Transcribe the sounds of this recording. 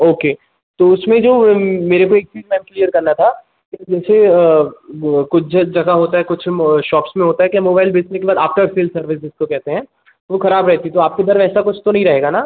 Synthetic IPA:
oːkeː | t̪oʊsmẽd͡ʒoːmeːɾekoeːk̚t͡ʃiːd͡ʒmɛːmklijəɾkɐɾnat̪ʰa | kid͡ʒɛːse | kʊt͡ʃʰd͡ʒd͡ʒɐɡaɦoːt̪aɦɛkʊt͡ʃʰʃɔːpsmẽɦoːt̪aɦɛkjamoːbaːɪlbeːsnekebaːd̪aːpʈaːɾseːlsɐɾʋɪs̬ɪskokɛɦt̪eɦɛ̃ː | tʋoxɐɾaːbɾɛɦt̪iit̪oaːp̚ked̪ɐɾʋɛːsakʊt͡ʃʰt̪onɐɦĩɾɐɦeːɡanaː

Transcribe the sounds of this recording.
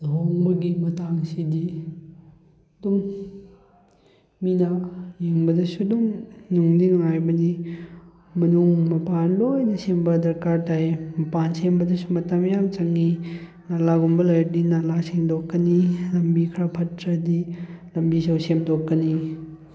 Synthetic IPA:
ɦoŋbɐɡimɐtaŋsidi | dum | minajeŋbɐdɐsudumnuŋliŋŋajbɐni | mɐnuŋmɐpanlojnɐsembɐdɐɾkaɾtajmɐpansembɐdɐsumɐtɐmjamt͡ʃɐŋːi | nalaɡumbɐlajdinalaseŋdokːɐnilɐmbikʰɾapʰɐtːɾɐdilɐmbisɐwsemdokːɐni

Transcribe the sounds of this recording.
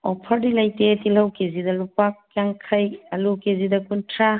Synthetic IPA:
ɔpʰɐɾdilɐjtetilɐwkezidɐlupak̚ːjaŋkʰɐjɐlukezidɐkuntʰɾa

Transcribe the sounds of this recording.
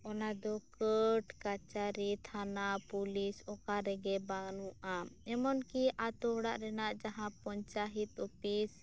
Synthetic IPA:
ɔnad̪ɔkəʈkat͡ʃaɾit̪ʰanapulisɔkaɾɛɡɛbanuʔaɛmɔnkiʔat̪ɔɔɽaʔɾɛnaʔd͡ʒaɦãpɔɲt͡ʃaɦit̪ɔpis

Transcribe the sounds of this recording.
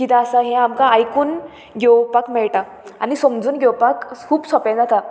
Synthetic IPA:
kit̪aːsaɦɛ̃amkaːjkuːn | ɡewpakmɛɭʈa | a̰nisɔmd͡zuːnɡewpakkʰuːbsɔpãd͡zat̪a

